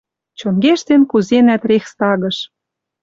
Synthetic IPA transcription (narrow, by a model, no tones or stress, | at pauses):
t͡ɕonɡeʃt̪enkuzenæt̪rexst̪ɑɣɤ̆ʃ